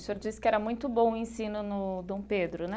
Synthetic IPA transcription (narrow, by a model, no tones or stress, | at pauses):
soɾd͡ʒisɪ̥kɪɛɾɐmũj̃t̪ʊbõw̃ʊẽsĩnʊnʊd̪õw̃ped̪ɾʊnɛ